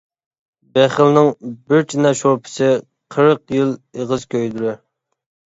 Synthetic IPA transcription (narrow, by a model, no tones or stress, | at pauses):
bɛχəlnɪŋbɪɾt͡ʃʰinɑʃopʰɪ̥sɪ | qʰəɾəqjilˠeʁəzkʲʰøjd̪uɾu